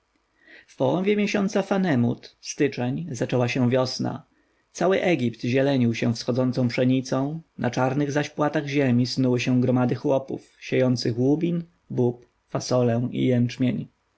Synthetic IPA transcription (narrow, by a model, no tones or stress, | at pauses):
fpɔwɔ̃vʲjɛmʲjɛɕɔnt̪safanɛmṵt̪st̪ɘt͡ʂɛɲzat͡ʂɛwaɕɛ̃vʲjɔsna̰ | t̪sawɘʔɛɡʲipt̪ʑɛlɛɲiwɕɛ̃fsxɔd̪zɔnt̪sɔ̃w̃pʂɛɲit̪sɔ̃w̃nʔa̰t͡ʂaɾnɘɣzaɕpwat̪aɣʑemʲisnuwɘɕɛ̃ɡɾɔmad̪ɘxwɔpṵfɕejɔnt̪sɘxwubʲin | bup | fasɔlɛw̃ʔḭjɛnt͡ʂmʲjeɲ